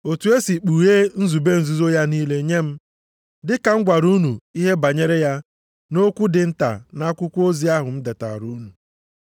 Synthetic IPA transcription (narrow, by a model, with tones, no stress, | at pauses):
o˨tu˨e˦si˨k͡pu˨ɣe˦n̩˦zu˨be˦n̩˨zu˦zo˦ja˦niː˦le˦ɲe˦m̩˦ | dɪ˦ka˨ŋ͡m̩˦ɡʷa˨ɾu˦nu˨i˦ɦe˦ba˨ɲe˦ɾe˦ja˦ | no˦kʷu˦dɪ˨n̩˦ta̰˨na˦kʷʊ˦kʷu˦o˦zi˦a˦ɦʊ˨m̩˦de˨ta̰˨ɾu˦nu˨